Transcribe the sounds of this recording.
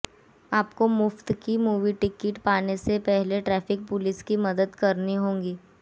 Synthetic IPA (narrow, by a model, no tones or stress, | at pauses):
aːpkomʊft̪kimuːʋiʈɪkɪʈpaːnesepɛɦleʈɾɛːfʰɪk̚pʊlɪskimɐd̪əd̪kɐɾniɦõːŋɡiː